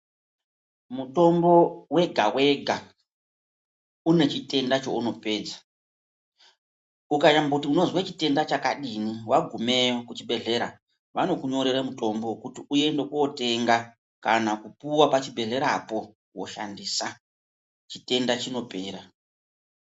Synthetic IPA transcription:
muto̞mbo̞we̞ɡʱawe̞ɡʱa | une̞t͡ʃite̞ndat͡ʃo̞̰uno̞pe̞ːd͡zḁ | ukajambakutiuno̞zwat͡ʃite̞ndat͡ʃakaɗiniwaɡʱumeokut͡ʃibe̞ɮe̞ɾa | ʋano̞kuɲo̞ɾe̞ɾamuto̞mbokutiuje̞ndo̞kuote̞ŋɡa | kanakupuwapat͡ʃibʱe̞ɮe̞ɾapo̞ | wo̞̰ʃa̰ndisa | t͡ʃite̞ndat͡ʃino̞pe̞ːɾa

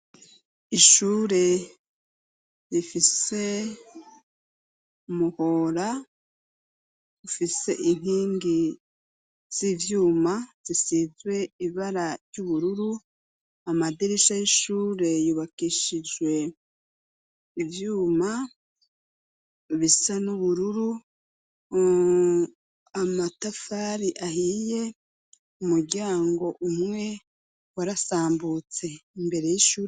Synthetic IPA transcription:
iʃuːɾe̞ | ɾifise̞ | muho̞ːɾa | ufise̞̰ʔin̥hiːŋɡi | z̥ivjuːmaz̥isizwe̞iβaɾaɾɟuβuɾuɾu | amadiɾiʃajiʃuːɾe̞juβakiʃid͡ʒɡwe̞ | ivjuːma | βisanuβuɾuɾu | amatafaːɾiʔahiːje̞ | umuɾɟaːŋɡo̞ʔumŋwe̞ | waɾasaːmbut͡se̞imbe̞ɾe̞jiʃuːɾ

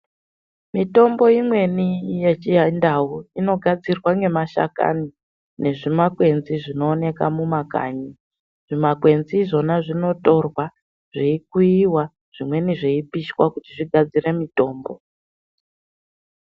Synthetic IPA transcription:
mito̞mbo̞imwe̞nijet͡ʃiandauino̞ɡʱad͡zirwaŋɡe̞maʃa̰ka̰ni | ne̞ʐimakwe̞nziʐino̞ːne̞ka̰mumaka̰ːɲi | ʐ̥imakwe̞nziʐo̞naʐino̞to̞rwa | ʐ̥iik̚uiwa | ʐ̥imwe̞niʐeipiʃwakutiʐiɡʱad͡zire̞mito̞ːmbo

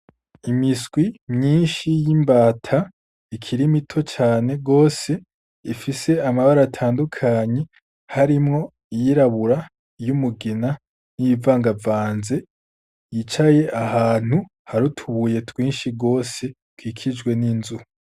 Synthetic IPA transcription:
imisɡ̥wimɲiːnʃijimbaːtʰa | ikʰiɾimitʰo̞t͡ʃaːne̞ɡo̞ːse̞ | ifise̞amaβaɾatʰaːndukʰaɲe̞ | haɾimŋo̞ | ijiɾaβuɾa | jumuɡina | nijivaːŋɡavaːnze̞ | jit͡ʃaje̞ʔahaːn̥hu | haɾutʰuβuje̞twiːnʃiɡo̞ːse̞twiːkʰid͡ʒɡwe̞ninzuh

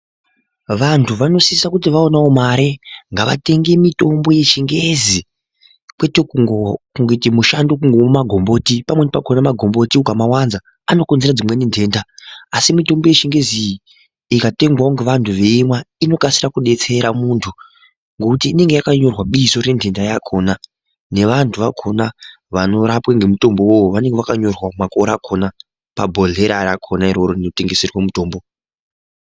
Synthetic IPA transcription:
ʋantʰuʋano̞sisakut̬iʋaonaomaɾe̞ŋɡaʋa̰te̞ŋɡemito̞mbo̞jeʃiŋɡe̞zi | kwe̞tekuŋɡokuŋɡetimuʃandok̬uŋɡomomaɡʱo̞mbo̞tipamwe̞nepakonamaɡʱo̞mbo̞tiukamawanza | ano̞konzerad͡zimwe̞nendʱe̞ːndaasimito̞mbo̞jeʃiŋɡe̞zi | ikate̞ŋɡwauŋɡeʋantʰuʋe̞imwaino̞kasirakuɗe̞t͡se̞ɾamuntʰu | ŋɡokutiːne̞ŋɡe̞jakaɲo̞rwaɓiso̞ɾe̞ndʱe̞ndajakʰo̞ːna | ne̞ʋantʰuʋakʰo̞na | ʋano̞ɾapwaŋɡe̞muto̞mbo̞woʋane̞ŋɡeʋakaɲo̞rwamakoɾakʰo̞na | pa̰bʱo̞ɮe̞ɾarakʰonaiɾo̞ɾoino̞te̞ŋɡe̞serwamuto̞ːmbo

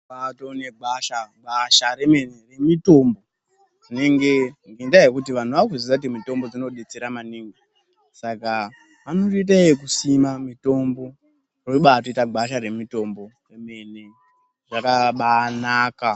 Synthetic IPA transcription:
atone̞ɡʱaʃaɡʱaʃaɾeme̞neremito̞ːmbo̞ | ʐine̞ŋɡe̞ŋɡindajekutiʋan̤uʋakuzisautimito̞mbo̞d͡zino̞ɗet͡seɾamaniːŋɡo | saka | pano̞tiit̬aejek̬usimamito̞mbo̞ | roiɓatoitaɡʱaʃaɾe̞mito̞mbo̞reme̞ne̞ | ʐakaɓanaːka

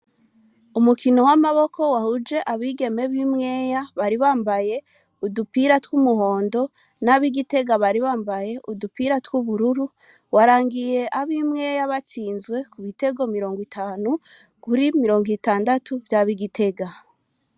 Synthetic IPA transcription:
umukino̞wamaβo̞ko̞wahud͡ʒe̞ʔaβiːɡe̞me̞βimŋe̞ːjaβaɾiβaːmbaje̞ | udupiɾatwumuɦo̞ːndo̞ | naβiɡite̞ɡaβaɾiβaːmbaje̞ʔudupiɾatwuβuɾuɾu | waɾaːŋɡije̞ʔaβimŋe̞ːjaβat͡siːnzɡwe̞kuβite̞ɡo̞miɾo̞ːŋɡwitʰaːnu | kuɾimiɾo̞ːŋɡitaːndatuvjaːβiɡitʰe̞ɡa

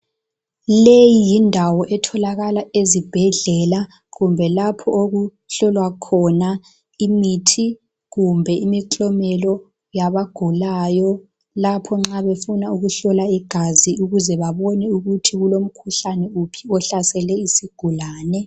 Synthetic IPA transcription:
lejijindʱawɔʔɛtʰɔlaɣalaezib̥ʱɛɮɛla | ɣumbʱɛlapʰɔoɣu | ɬɔlwakʰɔna | imitʰi | ɣumbʱɛimiǃɔmɛlɔ | jaβaɡ̥ʱulajɔ | lapʰɔŋ͡ǁaβefunauɣuɬɔlaiɡ̥ʱaziuɣuzɛβaβɔnɛuɣutʰiɣulom̩kʰuɬanɛupʰi̥ɔɬasɛlɛisiɡ̥ʱulaːnɛ

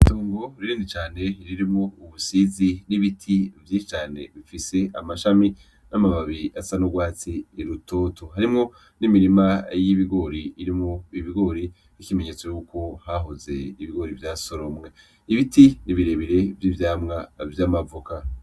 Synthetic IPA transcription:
ituːŋɡo̞ɾiɾiːndit͡ʃaːne̞iɾiɾimŋouβusiziniβitʰivjiʃit͡ʃaːne̞̰βifise̞amaʃami | namaβaβiasanoɡwaːt͡siːɾutʰotʰoɦaɾimŋo̞ | nimiɾimajiβiɡo̞ɾiːɾimŋoiβiɡo̞ɾi | ikime̞ɲe̞ːt͡so̞juːko̞haɦoze̞iβiɡo̞ɾivjaːso̞ɾomŋe̞ | iβitiniβiɾeβiɾe̞vjivjaːmŋavjamavoka

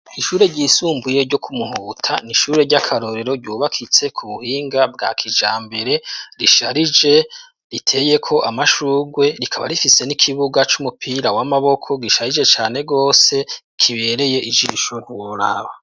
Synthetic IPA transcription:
iʃuːɾe̞ɾɟiːsuːmbuje̞ɾɟo̞kʰumuɦuːtʰa̰niʃuːɾe̞ɾɟakʰaɾo̞ɾe̞ɾo̞ɾɟuːβakʰit͡se̞kʰuβuhiːŋɡab̚ɡakʰid͡ʒaːmbe̞ɾe̞ɾiʃaɾid͡ʒe̞ | ɾitʰe̞je̞kʰo̞ʔamaʃuːɡwe̞ɾikʰaβa̰ɾifise̞nikʰiβuɡat͡ʃumupʰiːɾawamaβo̞kʰo̞ɡiʃaɾid͡ʒe̞t͡ʃaːne̞ɡo̞ːse̞ | kʰiβe̞ɾe̞je̞ʔid͡ʒiʃuhuɾa̰βa

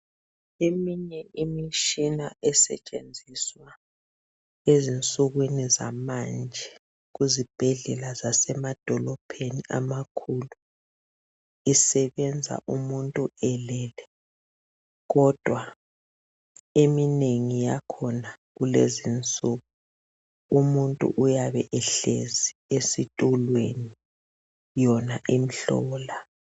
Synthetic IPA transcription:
emiɲɛʔimiʃinaʔɛsɛ̰t͡ʃʼend͡zʱiswa | ezint͡sʼuɣwiniza̰mand͡ʒʱɛ | ɣuzib̥ʱɛɮɛlazasɛmad̥ʱɔlɔpʰeniʔa̰makʰulu | isɛβɛnd͡zʱa̰ʔumuntʼuɛlɛlɛ | ɣɔd̥ʱwa | emineŋijakʰɔnaɣulḛzint͡sʼuɣu | umuntʼṵʔujaβɛʔɛɬeziesitʼulweni | jɔnaʔim̩ɬɔ̰ːla

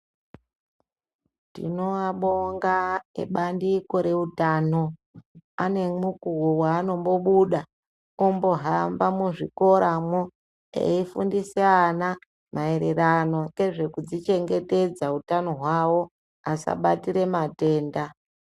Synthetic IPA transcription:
tḭno̞aɓoŋɡaḛɓandiko̞ɾe̞utaːno̞ | ane̞mukuowaːno̞mbo̞ɓuɗa | ombo̞ɦambamuʐiko̞ɾʔamo | ḛifundiseana | mae̞ɾe̞ɾano̞ke̞ʐe̞kud͡zit͡ʃe̞ŋɡe̞te̞d͡zautano̞ɦwawo̞ | asa̰ɓatiɾe̞mate̞ːnda

